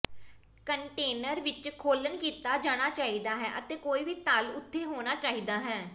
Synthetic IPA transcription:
kəɳʈeːnəɾʋɪt͡ʃkʰoːlənkiːt̪aːd͡ʒaːɽ̃aːt͡ʃaːiːd̪aːɦɛːʔət̪eːkoːiːʋiːt̪alʊt̪ʰːeːɦoːɽ̃aːt͡ʃaːiːd̪aːɦɛː

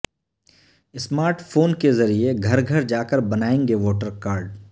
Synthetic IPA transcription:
ɪsmaːɾʈfʰoːnkezɐɾieɡʱɐɾɡʱɐɾd͡ʒaːkəɾbɐnaːẽːŋɡeʋɔːʈəɾkaːɾɖ

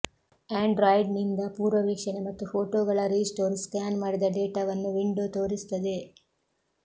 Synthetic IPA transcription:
aːɳɖɾajɖnind̪ɐpuːɾʋɐʋiːkʂɐnemɐt̪ːufʰoːʈoːɡɐɭɐɾiːsʈoːɾskaːnmaːɽid̪ɐɖeːʈaʋɐnːuʋiɳɖoːt̪o̞ːɾisu̥t̪ːɐd̪e̞

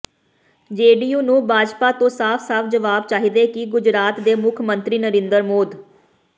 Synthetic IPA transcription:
d͡ʒeːɖiːjuːnũːbʱaːd͡ʒpaːt̪õːsaːpʰsaːpʰd͡ʒəʋaːbt͡ʃaːɦiːd̪eːkɪɡʊd͡ʒɾaːt̪d̪eːmʊkʰmənt̪ɾiːnəɾẽːnd̪əɾmoːd̪

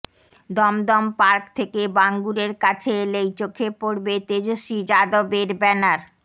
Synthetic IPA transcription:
d̪ɔmd̪ɔmpaɾkt̪ʰekebaŋɡuɾeɾkat͡ɕʰeelejt͡ɕokʰːepoɾbet̪ed͡ʑoʃid͡ʑad̪obeɾbɛnaɾ

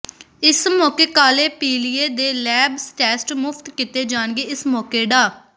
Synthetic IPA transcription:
ɪsmɔːkeːkaːleːpiːliːeːd̪eːlɛːbsʈɛːsʈmʊpʰt̪kɪt̪eːd͡ʒaːnɡeːɪsmɔːkeːɖaː

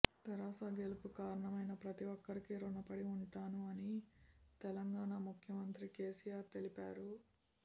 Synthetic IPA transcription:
t̪ɐɾaːsaːɡe̞lupukaːɾɐɳɐmɐjnɐpɾɐt̪iʋɔkːɐɾikiɾuɳɐpɐɽiuɳʈaːnuɐnit̪ɛlɐŋɡaːɳamukʰjɐmɐnt̪ɾike̞ːsijaːɾt̪e̞lipa̰ːɾu

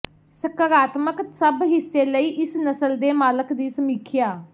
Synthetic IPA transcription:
səkəɾaːt̪məksəbɦɪsːeːləiːʔɪsnəsəld̪eːmaːləkd̪iːsəmiːkʰjaː

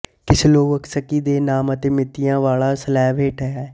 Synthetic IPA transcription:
kɪsloːʋəksəkːiːd̪eːnaːmət̪eːmɪt̪ːijãːʋaːlaːsəlɛːʋʱeːʈʰəjaːɛ

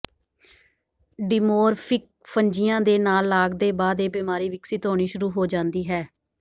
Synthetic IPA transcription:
ɖɪmoːɾpʰɪk̚ | pʰəɲd͡ʒɪjãːd̪eːnaːlːaːɡd̪eːbaːd̪eːbɪmaːɾiːʋɪksɪt̪ɦoːɽ̃iːʃʊɾuːɦoːd͡ʒãːnd̪iːɦɛː

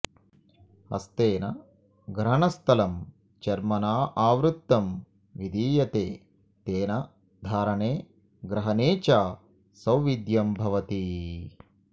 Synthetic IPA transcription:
hɐ̰st̪eːnɐ | ɡɾɐɳɐst̪ʰɐlɐm | t͡ʃɐɾmɐnaːʔaːʋɾut̪ːɐm | ʋid̪ʱiːjɐt̪eː | t̪eːnɐ | d̪ʱaːɾɐɳeː | ɡɾɐɦɐneːt͡ʃaː | sɐwʋid̪jɐmbʱɐʋɐt̪i

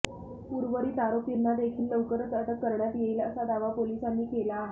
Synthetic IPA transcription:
puɾʋəɾiːt̪aɾopinːad̪ekʰiːlːəwkəɾt͡səʈəkːəɾɳjat̪jeiləsad̪aʋapolisanːiːkelaːɦe

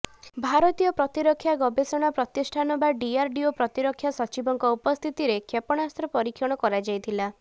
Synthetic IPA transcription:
bʱaɾɔt̪ijɔpɾɔt̪iɾɔkʰːjaɡɔbesɔɽ̃apɾɔt̪isʈʰanɔbaɖiaɾɖiopɾɔt̪iɾɔkʰːjasɔt͡ʃibɔŋkɔupɔst̪ʰit̪iɾekʰepɔɽ̃ast̪ɾɔpɔɾikʰjɔɽ̃ɔkɔɾad͡ʒajt̪ʰila

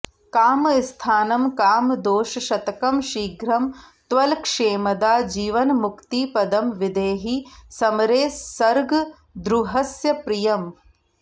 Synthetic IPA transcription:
kaːmst̪ʰaːnɐmkaːmd̪oːʃɐʃɐt̪ɐkɐmʃiːɡɾɐmt̪ʋɐlkʂeːmɐd̪aːd͡ʒiːʋɐnmukt̪ipɐd̪ɐmʋid̪eːɦisɐmɐɾeːɐɾɡ | d̪ɾuɦɐsjɐpɾijɐm

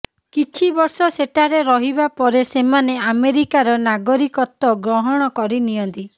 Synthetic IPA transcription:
kit͡ʃʰibɔɾsɔseʈaɾeɾɔɦibapɔɾesemaneameɾikaɾɔnaɡɔɾikɔt̪ːɔɡɾɔɦɔɽ̃ɔkɔɾinijɔnt̪i

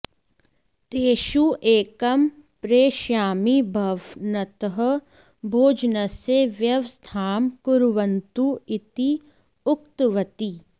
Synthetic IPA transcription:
t̪eːʃuʔeːkɐmpɾeːʃjaːmibʱɐʋnɐt̪əɦɐ̆ | bʱoːd͡ʒnɐseʋjɐʋst̪ʰaːmkʊɾʋɐnt̪uɪt̪i | ʊkt̪ʋɐt̪i

